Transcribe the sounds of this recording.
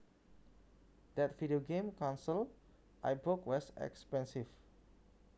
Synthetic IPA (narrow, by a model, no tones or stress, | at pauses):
d̥ɛtvidioɡẽmkʰãnsəl | ʔajbɹokwɔsɛ̰kspɛ̃nsif